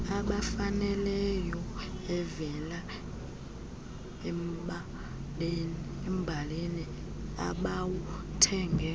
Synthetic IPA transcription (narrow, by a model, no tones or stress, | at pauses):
aɓafanɛlɛjɔɛvɛla | ɓ | ln | em̩bʱaleni | a̰ɓawutʰɛːŋɡʱɛ